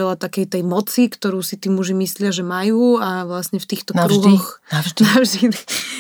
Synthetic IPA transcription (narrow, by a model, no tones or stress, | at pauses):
ɛlat̪akɛjt̪ɛjmɔt͡sikt̪ɔɾuːsit̪iːmuʒimislɪaʒɛmajuːaʋlasɲɛft̪iːxt̪ɔkɾuɦɔxaʒnavʒd̪i